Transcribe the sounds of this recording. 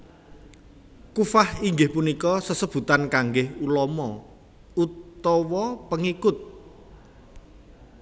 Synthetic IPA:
kufahiŋɡɪhpunikɔsəsəb̥ṳt̪ankaŋɡɪhulɔmɔ | ut̪ɔwɔpəŋikʊt̪̚

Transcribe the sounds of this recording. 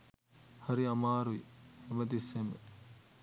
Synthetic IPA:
hɐɾiɐmaːɾuihemɐd̪iseme

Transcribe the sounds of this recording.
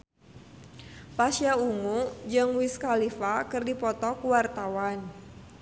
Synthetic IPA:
pasjauŋud͡ʒɨŋwiskalifakɨrdipɔt̪ɔkuwart̪awan

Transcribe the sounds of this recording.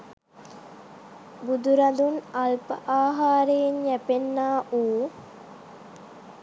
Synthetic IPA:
bud̪uɾad̪unalpə̰ʔaːɦaːɾejenjæpenːaːʔuː

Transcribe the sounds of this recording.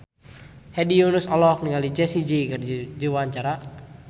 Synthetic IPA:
hɛdiunusɔlɔk̚niŋalid͡ʒɛsid͡ʒikərd͡ʒd͡ʒuwaɲt͡ʃaɾa

